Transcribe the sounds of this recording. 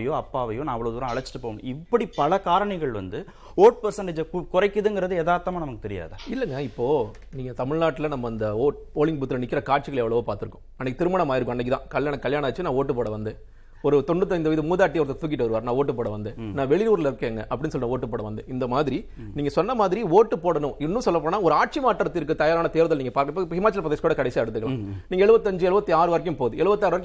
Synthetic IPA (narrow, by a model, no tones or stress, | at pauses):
jõːɐpːaːʋɐjõnãːɐʋɐɭɐʋðuːɾãːɐɭɐt͡ʃːɪ̥ʈːɯpoːɪpːɐɽipɐlɐkaːɾɐɳɐɪɣɐɭʋɐ̰nd̪ɯ | oːʈpɐɾsɐɳɖeːd͡ʒɐkʊrɐɪkːɯðɯŋɡɪɾɐðɯeːðaːɾt̪ːɐmaːnɐmɐkːɯt̪ɛɾɪja̰ːðɐɪlːɛŋɡɐɪpːoː | niːŋɡɐt̪ɐmɪɻnaːʈːɪlɐnɐmːɐɪnd̪ɐoːʈpoːɭɪŋpuːt̪ːɪlɐnɪkːɪɾɐkaːɾt͡ʃɯɣɐɭɛʋːɐɭɐʋoːpaːɾt̪ɯɾɯkːʊ̥̃ɐnːɛkːɯt̪ɪɾɯmɐɳɐmaːjɪɾɯkːʊ̃ɐnːɐk̬ːɯt̪ãːkɐljaːɳɐkɐɭjaːɳɐɐt͡ʃːɯnãːoːʈːɯpoːɽɐʋɐnd̪ɯ | ɔɾɯt̪ɔɳɖɯt̪ːɐɪnd̪ʋiːðɯmuːðaːʈ̬ːiɐʋɐɾɐðɐt̪uːkɪʈːɐʋɐɾɯʋaːɾnãːoːʈːɯp̬oːɽɐʋɐnd̪ɯnãːʋɛɭɪnuːɾlɪɾɯkːeːŋɡɐ̰ʔɐpːɐɽɪnːɯsɔlːnaːoːʈːɯpoːɽɐʋɐnd̪ɯɪnd̪ɐmaːðɪɾi | niːŋɡɐsɔnːɐmaːðɪɾioːʈːɯpoːɽɐnʊ̃ɪnːɯ̃sɔlːɐpːoːnaːɔɾɯaːʈ̚t͡ʃimaːʈːɐɾɐt̪ːɪɾɯkːɯt̪ɐjaːɾaːnɐt̪eːɾʋɐðɐlniːŋɡɐpaːɾkɐɪpːoːɪpːhɪmaːt͡ʃːɐlpɾɐðeːskuːɽɐkɐɽɛsijaːɛɽɯt̪ːɯkːɐɭãːniːŋɐɛɭɯʋɐt̪ːɯɐɲd͡ʒɯɛɭɯʋɐt̪ːiaːɾɯʋaːɾɪk̬ːɯmpoːðɯɛɭɯʋɐt̪ːaːɾʋaɾɪkː